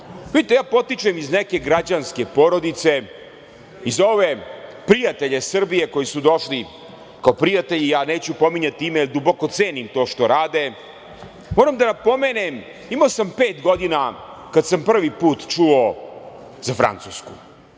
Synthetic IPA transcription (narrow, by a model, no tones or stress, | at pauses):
ʋid̪it̪ejaːpo̞t̪it͡ʂemizneke̞ɡɾad͡ʑanske̞po̞ɾo̞d̪it̪se̞ | izo̞ʋe̞pɾijat̪e̞ʎesr̩bije̞ko̞jisud̪o̞ʃli | kaopɾijat̪e̞ʎijaːne̞ːt͡ɕupo̞miɲat̪iimeiɾd̪uboko̞t̪seːnimt̪o̞ːʃt̪o̞ɾaːd̪e̞ | moːɾamd̪anapo̞meːnem | imaosampeːt̪ɡo̞d̪ina | kad̪sampr̩ʋipuːt̪t͡ʃuo | zafɾa̰nt̪suskṵ